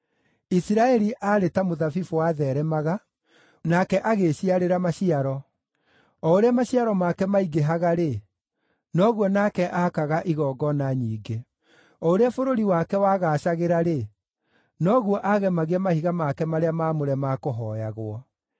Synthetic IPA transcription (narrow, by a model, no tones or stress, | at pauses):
isiɾaɛɾiʔaɾetamoðafifuwaðɛɾɛmaɣa | nakɛʔaɣeɕiaɾeɾamaɕiaɾɔ | ɔoɾeamaɕiaɾɔmakɛmaiɡeɦaɣaɾe | nɔɣwɔnakɛʔakaɣaʔiɣɔːɡɔnaɲiːɡe | ɔoɾeafoɾoɾiwakɛwaːɣaːɕaɣeɾaɾe | nɔɣuɔʔaɣɛmaɣeamahiɣamakɛmaɾeamaːmoɾɛmakoɦɔjaɣwɔ